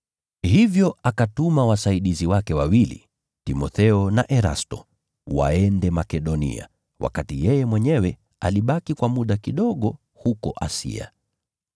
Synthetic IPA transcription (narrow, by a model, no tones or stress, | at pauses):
hivjɔakatumawasaiɗiziwakɛwawilḭ | timɔθɛɔnaʔɛɾa̰stɔ̰ | wa̰ɛndɛmakɛɗɔnḭa̰ | wʔa̰katijɛjɛmwɛɲɛwɛ | aliɓakikwamuɗakiɗɔɠɔ | hukɔʔasḭa̰